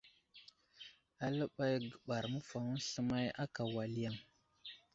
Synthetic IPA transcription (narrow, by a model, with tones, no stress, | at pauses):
a˨lə˦ɓa˦jɡə˨ɓa˨ɾmə˦fa˨ŋu˦ɬə˦ma˦ja̰˦ka˨wa˨li˦ja˦˨ŋ